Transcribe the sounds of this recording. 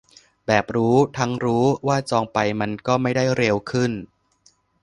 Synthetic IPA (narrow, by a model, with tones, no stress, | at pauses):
bɛː˨˩p̚ɾuː˦˥t̪ʰa˦˥ŋɾuː˦˥waː˥˩t͡ɕɔː˧ŋpa˧jma˧nkɔː˥˩ma˥˩jda˥˩jɾe˧wkʰɯ˥˩n